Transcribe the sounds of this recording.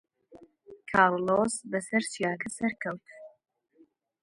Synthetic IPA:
kʰɑːɾlosbɐsɐɾt͡ʃjaːkʰɐsɐɾkʰɐwt̪

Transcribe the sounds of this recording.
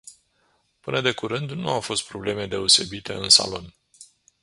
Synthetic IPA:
pɨnəd̪e̞kuɾɨnd̪nuawfo̞st̪̚pɾo̞ble̞me̞d̪e̞o̞se̞bit̪e̞̰ɨnsa̰lo̞n

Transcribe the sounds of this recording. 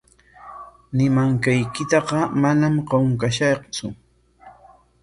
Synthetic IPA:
nɪmaŋkajkɪt̪ɑqɑmanamqoŋkaʃɑqt͡sʊ

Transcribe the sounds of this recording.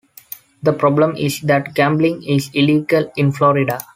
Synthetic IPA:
d̪əpɾɔːblə̃mɪsd̪æʈɡæ̃mblɪ̃ŋɪsɪliːɡəlɪ̃nflɔːɾɪɖa

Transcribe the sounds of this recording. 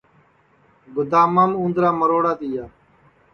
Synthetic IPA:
ɡʊd̪aːmaːmũːnd̪ɾaːməɾoːɽaːt̪iːjaː

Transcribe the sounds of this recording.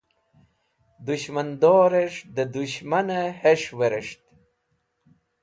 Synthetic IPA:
d̪uɕmand̪oːɾeʂd̪əd̪uɕmaneheʂweɾeʂt̪

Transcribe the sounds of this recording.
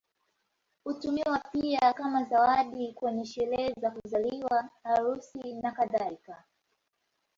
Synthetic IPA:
hutumiwapiakamazawaɗikwɛɲɛʃɛlɛzakuzaliwaːɾusinakaðaika

